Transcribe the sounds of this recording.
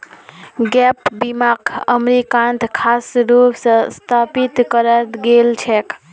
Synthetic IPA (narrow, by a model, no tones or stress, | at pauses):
ɡɛpbimakʰəmɾikant̪ʰkʰasɾupsə̃st̪ʰapit̪kəɾət̪ɡelt͡ʃʰɛk